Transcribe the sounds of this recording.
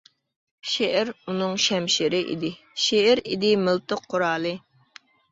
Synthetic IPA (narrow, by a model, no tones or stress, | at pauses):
ʃeʔɛɾunɨŋʃɛmʃɪɾɪʔḭd̪ɪ | ʃeɛɾid̪ɪmɨlt̪ɨqʰːoɾɑːlˠɨ